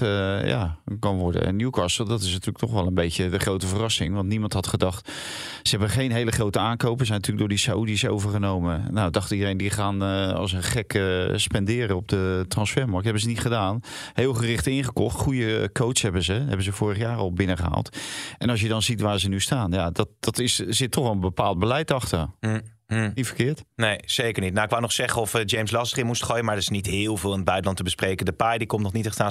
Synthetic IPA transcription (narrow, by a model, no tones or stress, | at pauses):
ja̰kɔnʋɔɹdə̰ə̰njukɑsəl̩ˠdɔtɪs̬natyːlək̚tʰɔχʋɛlˠənbejcədəχrowtəvərɑsɪŋʋɑntnimɑntɦɑtχədɑχt | səɦɛbənχejnɦejləχrowtəaːnkowpəszɛjnətyːlək̚dʊːɹdisaudiso̰wvəɹχənowmənawdɑχtidərejndiχaːnɑ̰lˠs̬ənχɛkəspɛndɪːɾəɔb̚dətrɑnsfɛɹmɑɹk̚ɦɛbənzənitχədaːn | hɪːlˠχərɪχtɪŋχəkɔχtχujəkowtsɦɛbənzəɦɛ̰bən̩zəv̥ʊːrəχəjaːrɔlˠbɪnəχəɦa̰ːlˠtʔɛnɑs̬jədɑnzitʋaːɹzənystaːnjadɔtd̥ɔtɪsz̥ɪtʰːɔχʋɛlˠənbəpaːlˠd̚bəlɛjtɑχtər | itfəkɪːɹtnejseːkəɹnit̚nawɪkʋawnɔχsɛχənɔfəd͡ʒejmslɑstəχɪmustχoːjəmaɹətɪsnitɦɪːlˠvɪːlˠɪnəbœɥtəlɑntəbəsprejkəndəpajdikɔmtnɔχnitɛtaː